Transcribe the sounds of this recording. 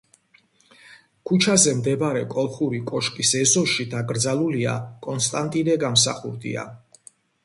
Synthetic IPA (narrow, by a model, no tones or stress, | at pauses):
kʰut͡ʃʰazɛmd̪ɛbɾɛkʼɔlˠχuɾikʼɔʃkʼisɛzɔʃid̪aɡɾd̪zalˠulia̰kʼɔnst̪ʼant̪ʼinɛɡamsa̰χṵɾd̪ḭa̰